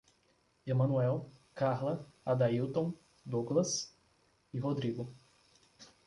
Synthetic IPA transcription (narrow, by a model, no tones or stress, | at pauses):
emɐ̃nuɛwkaɾlɐad̪aiwt̪õw̃ | d̪oɡlɐs | iɦod̪ɾiɡʊ